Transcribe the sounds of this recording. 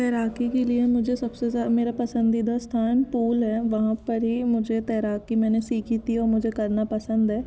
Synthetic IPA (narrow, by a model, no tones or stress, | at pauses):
t̪ɛːɾaːkikeliemʊd͡ʒʱesɐbsezameːɾapɐsə̃nd̪id̪ʱast̪ʰaːnpuːlɦɛːʋɐɦãpəɾɦimʊd͡ʒʱet̪ɛːɾaːkimɛ̃ːnesiːkʰit̪iɔːɾmʊd͡ʒʱekɐɾnapɐsə̃nd̪ɦɛː